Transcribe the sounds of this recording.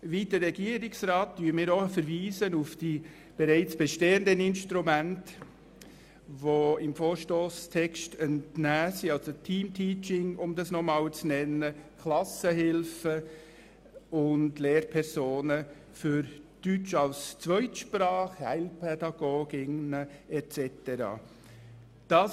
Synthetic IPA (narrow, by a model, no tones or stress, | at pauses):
vidəɾːɛɡiːəɾɪksɾɑːt̚d̥yːmɪːɾofəɾviːzənufd̥iː | b̥ɛɾæɪt͡sb̥ɛʃteːəndənɪnʃtɾumænt | ʋoɪmfoːɾʃtoːstʰɛkʃtəntnæːsiɑlsotʰiːmtʰiːt͡ʃɪŋʊmdɑsnɔmɑːlt͡snɛnəkʰlɑsəhɪlfə | ʊndleːɾpʰɛɾsoːnə | fyɾd̥yt͡ʃɑlst͡sʋœʏtʃprɑːχhæɪlpʰɛdɑɡ̥oːɡɪŋnəɛt͡sɛtəɾɑ̰ː | d̥ɑːs